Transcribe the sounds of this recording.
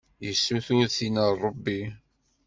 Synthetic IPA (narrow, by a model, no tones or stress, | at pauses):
jəsːuθʊɾθinərˤːəbːi